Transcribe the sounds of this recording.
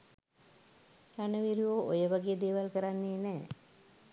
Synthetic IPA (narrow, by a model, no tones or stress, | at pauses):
ɾanəʋiɾioʔojəʋaɡejəd̪eːʋalkəɾanːeːnɛː